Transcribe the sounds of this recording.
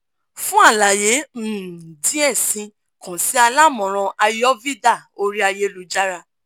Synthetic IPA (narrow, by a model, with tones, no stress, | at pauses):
fũ˦a˦˨la˨je˨˦˨dĩ˨˦ɛ˦˨sĩ˧ | kã˨si˨˦a˧la˦˨mɔ̃˨ɾ̃ɔ̃˧ʔa˧jɔ˦vi˦da˦˨o˦ɾi˦a˧je˧lu˧d͡ʒa˦ɾa˧